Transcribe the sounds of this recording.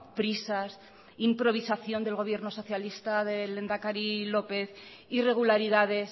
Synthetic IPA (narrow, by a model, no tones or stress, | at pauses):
pɾisas | impɾo̞β̞isaθjo̞nd̪e̞lɣo̞β̞je̞ɾno̞so̞θjalist̪aðele̞nd̪akaɾilo̞pe̞θ | ire̞ɣ̞ulaɾiðað̞e̞s